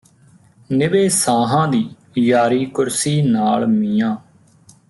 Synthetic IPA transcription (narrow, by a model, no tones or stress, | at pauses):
nɪbeːsaːɦãːd̪iː | jaːɾiːkʊɾsiːnaːlmiːãː